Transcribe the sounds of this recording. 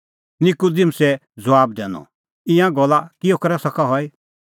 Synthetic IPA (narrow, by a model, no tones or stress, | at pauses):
nɪkud̪ɪmsɛ | d͡zɔaːbd̪ɛ̰ːnɔ̰ | ɪ̃jãɡɔlakiɔkɐɾɛsɐkʰaɦɔi